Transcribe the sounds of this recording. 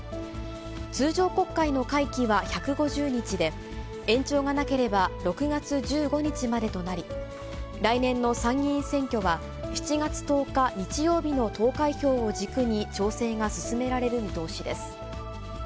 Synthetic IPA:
t͡sɨːʑo̞ːko̞kːaino̞kaikʲiβaçakɯ̟ɡo̞ʑɨːɲ̟it͡ɕid̪e̞ | ẽ̞ɲt͡ɕo̞ːŋanake̞ɾe̞baɾo̞kɯ̟ɡat͡sɨd͡ʑɨːɡo̞ɲ̟it͡ɕimad̪e̞t̪o̞naɾʲi | ɾainẽ̞nːo̞sãŋːʲĩsẽ̞ŋkʲo̞βa | çi̥t͡ɕiɡat͡sɨ̥t̪o̞ːkaɲ̟it͡ɕijo̞ːbʲino̞t̪o̞ːkaiço̞ːod͡ʑikɯ̟ɲ̟it͡ɕo̞ːse̞ːŋasɨ̥sɨme̞ɾaɾe̞ɾɯ̟mʲit̪o̞ːɕid̪e̞sɨ̥

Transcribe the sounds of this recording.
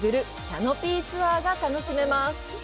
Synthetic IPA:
ɡɯ̟ɾɯ̟ | kʲano̞pʲiːt͡sɨβaːɡat̪ano̞ɕime̞masɨ̥

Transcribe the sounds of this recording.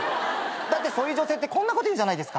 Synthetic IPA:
d̪at̪ːe̞so̞ːjɯ̟ːʑo̞se̞ːt̪ːekõ̞nːako̞t̪oiɯ̃d͡ʑanaid̪esɨ̥ka

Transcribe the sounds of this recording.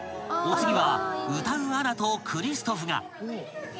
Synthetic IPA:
ot͡sɨɡʲiβaɯ̟t̪ãɰɯ̃aɾat̪okʰɯ̟ɾʲisɨ̥t̪o̞ɸɯ̟ŋa̰

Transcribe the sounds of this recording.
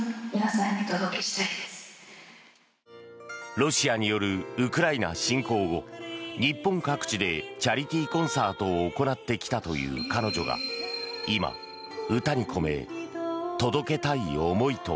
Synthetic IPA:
minasãɲit̪od̪okei̥t̪ai̥ | ɾo̞ɕiaɲ̟ijo̞ɾɯ̟ɯkɯ̟ɾaina̰ɕĩŋko̞ːɡo̞ɲ̟ipːõŋkakɯ̟̥t͡ɕid̪e̞t͡ɕaɾʲit̪ʲiːkõ̞ɰ̃saːt̪o̞ːko̞nat̪ːe̞kʲi̥t̪at̪o̞jɯ̟̰ːkano̞ʑo̞̰ɡa̰ | ima̰ | ɯ̟t̪aɲ̟ikʰo̞me̞̰ | t̪o̞d̪o̞ke̞t̪aio̞mo̞it̪o̰

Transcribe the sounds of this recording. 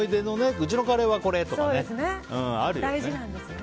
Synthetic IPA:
id̪e̞no̞neɯ̟t͡ɕino̞kaɾe̞βako̞ɾe̞t̪osokːd̪esɨneɯ̃ːaɾɯd̪aiʑinãnd̪esɨ

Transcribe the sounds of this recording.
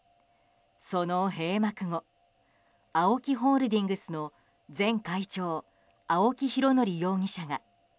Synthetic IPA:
so̞noɦe̞ːmakɯ̟ŋo̞ | aokʲiɦoːɾɯ̟d̪ʲĩŋɡɯ̟sɨno̞ | zẽ̞ŋkait͡ɕo̞ː | ao̞kʲiçiɾo̞no̞ɾʲijo̞ːŋ̟iɕaɡa

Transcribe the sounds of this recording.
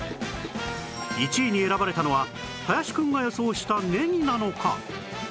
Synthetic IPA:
it͡ɕiːɲ̟ie̞ɾabaɾe̞t̪ano̞βa | hajaɕi̥kɯ̟̃ŋɡajo̞so̞ːɕi̥t̪ane̞ɲ̟inano̞kʰa̰

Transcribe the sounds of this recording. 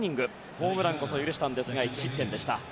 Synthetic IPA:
ɲ̟ĩŋɡɯ̟ | ho̞ːmɯ̟ɾãŋko̞sojɯɾɯ̟ɕi̥t̪ãnd̪e̞sɨɡait͡ɕi̥ɕit̪ːẽ̞nd̪e̞ɕi̥t̪a

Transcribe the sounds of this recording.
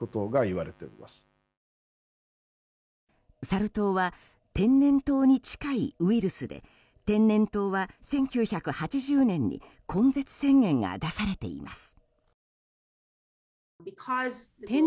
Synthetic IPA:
ot̪oɡaiβaɾe̞t̪eo̰ɾimasɨ̥ | saɾɯ̟t̪o̞ːβa | t̪ẽ̞nːẽ̞nt̪o̞ːɲ̟it͡ɕi̥kaḭɯ̟iɾɯ̟sɨd̪e̞̰ | t̪ẽ̞nːẽ̞nt̪o̞ːβasẽ̞ŋkʲɨːçakɯ̟hat͡ɕiʑɨːnẽ̞ɲ̟ːḭ | kʰõ̞nd͡ze̞t͡sɨ̥sẽ̞ŋɡẽ̞ŋɡa̰d̪asaɾe̞t̪e̞̰ḭmʔa̰sɨ̥ | bikʰɔzt̪ẽ

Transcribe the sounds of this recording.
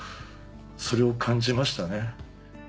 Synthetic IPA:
so̞ɾe̞o̞kʰãɲ̟d͡ʑimaɕi̥t̪ane̞

